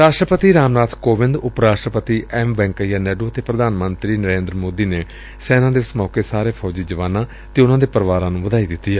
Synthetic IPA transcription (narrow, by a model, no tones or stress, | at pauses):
ɾaːʃʈɾəpət̪iːɾaːmnaːt̪ʰkoːʋɪ̃nd̪ʊpɾaːʃʈɾəpət̪iːʔɛːmʋɛ̃ːŋkəjaːnɛːɖoːət̪eːpɾəd̪ʱaːnmənt̪ɾiːnəɾeːnd̪ɾəmoːd̪iːneː | sɛːnãːd̪esmɔːkeːsaːɾeːpʰɔːd͡ʒiːd͡ʒəʋaːnãː | t̪eːʊnãːd̪eːpəɾʋaːɾãːnũːʋəd̪aːiːd̪ɪt̪ːiːɛː